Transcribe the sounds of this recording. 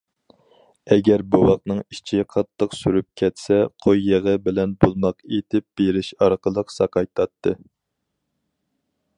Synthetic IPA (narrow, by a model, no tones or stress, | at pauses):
ɛɡʲɛɾbuwɑq̚nɨŋit͡ʃʰiqʰɑt̪ʰːəqsyɾyp̚kʲʰɛt̪sɛqʰojːəʁəbɪlɛnbolˠmɑqet̪ʰɪp̚b̥eɾɪʃɑɾqʰəlˠəqsɑqɑjt̪ʰɑt̪ʰːɨ